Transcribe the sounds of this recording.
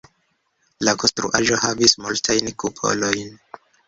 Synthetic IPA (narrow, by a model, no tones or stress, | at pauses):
lakonstɾṵʔaʒo̞havismultʰajnkupʰo̞̰lo̞jn